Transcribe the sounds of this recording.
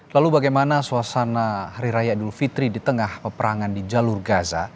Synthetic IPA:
lalubaɡajmanasuasanahaɾiɾajadulfit̪ɾidit̪əŋahpəpəɾaŋandid͡ʒalurɡaza̰

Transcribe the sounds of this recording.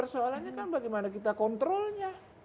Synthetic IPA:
ərsoalanɲakanbaɡɛmanakit̪akɔnt̪ɾɔlɲa

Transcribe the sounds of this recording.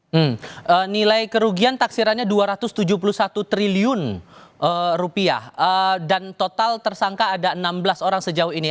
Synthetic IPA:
m̩ənilajkəɾuɡiant̪aksiɾanɲaduaɾat̪ʊst̪ud͡ʒuhpuluhsat̪ut̪ɾiliʊnʔərupia̰hədant̪ot̪alt̪ərsaŋkaːdaənamblasoɾaŋsəd͡ʒauɦini

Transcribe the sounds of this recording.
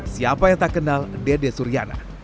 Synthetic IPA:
siapajaŋt̪akənaldedesuɾiana̰

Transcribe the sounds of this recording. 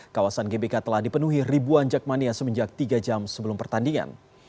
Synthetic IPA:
kawasanɡebekat̪əlahdipənuɦiribuand͡ʒak̚maniasəməɲd͡ʒak̚t̪iɡad͡ʒamsəbəlumpərt̪andiŋa̰n

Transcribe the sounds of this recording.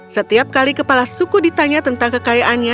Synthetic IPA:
sət̪iap̚kalikəpalasukudit̪aɲat̪ənt̪aŋkəkajaʔanɲa

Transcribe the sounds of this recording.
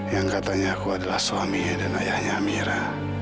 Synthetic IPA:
jaŋkat̪aɲaːkuadalahsuamidanajahɲaːmiɾa

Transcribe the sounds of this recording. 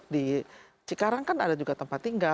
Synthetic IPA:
di | t͡ʃikaɾaŋkana̰dad͡ʒuɡat̪əmpat̪ːiŋɡa

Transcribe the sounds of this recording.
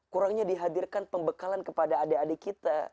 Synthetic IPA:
kuɾaŋɲadiɦadirkanpəmbəkalankəpadaːdeadekit̪a

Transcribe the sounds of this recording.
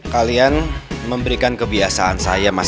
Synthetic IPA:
kalianməmbəɾikankəbiasaansa̰jama

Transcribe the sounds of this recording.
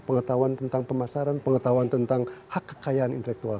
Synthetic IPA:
pəŋət̪awant̪ənt̪aŋpəmasaɾanpəŋət̪auant̪ənt̪aŋhakːə̥kajaːnḭnt̪əlɛk̚t̪ua

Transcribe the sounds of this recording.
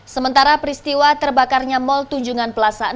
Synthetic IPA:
səmənt̪aɾapɾist̪iwat̪ərbakarɲamɔlt̪uɲd͡ʒuŋanpəlasa

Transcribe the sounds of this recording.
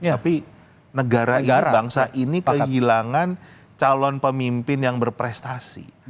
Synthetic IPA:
api | nəɡaɾainibaŋsaʔinikəɦilaŋan | t͡ʃalɔnpəmimpɪnjaŋbərpɾɛst̪asḭ

